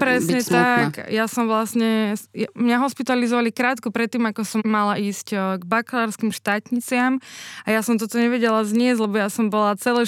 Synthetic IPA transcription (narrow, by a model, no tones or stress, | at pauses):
pɾɛsɲɛt̪akjasɔmʋlasɲɛjmɲaɦɔspit̪alizɔʋalikɾaːt̪kupɾɛt̪ːiːmakɔsɔːalaiːscɡbaklaːɾskimʃt̪aːt̪ɲit͡sɪamajasɔmt̪ɔt̪ɔɲɛʋɛɟɛlazɲɪɛzʲlɛbɔjasɔmbɔlat͡sɛlɛ